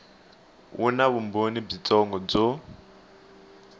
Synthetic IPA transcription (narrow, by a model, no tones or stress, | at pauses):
unaβumbonib͡ʐit͡sʼɔŋɡɔb͡ʐo